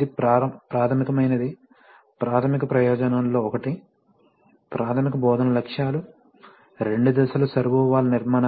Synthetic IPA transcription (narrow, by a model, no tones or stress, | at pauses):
id̪ipɾɐpɾaːt̪ʰɐmikɐmɐjnɐd̪i | pɾaːt̪ʰɐmikɐpɾɐjɔːd͡ʒɐnɐnlo̞ːɔkɐʈi | pɾʔaːt̪ʰɐmikɐbɔːd̪ʱɐnɐlɐkʂjaːlu | ɾe̞ɳɖud̪ɐsɐlɐsɐɾʋuːʋaːlɐniɾmaːn